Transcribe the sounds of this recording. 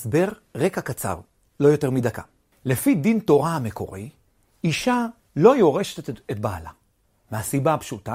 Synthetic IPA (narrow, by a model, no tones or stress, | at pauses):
sbe̞ʁʁekakat͡sa̰ʁ | lo̞jo̞teʁmidaka̰ | le̞fidinto̞ʁahame̞ko̞̰ʁi | iʃa | lo̞jo̞ʁe̞ʃetetet̚ba̰ːla̰ | meɦasibaapʃuta